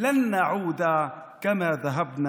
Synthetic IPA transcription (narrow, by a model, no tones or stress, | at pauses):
lanːaʕuːd̪aː | kamaːðaɦabna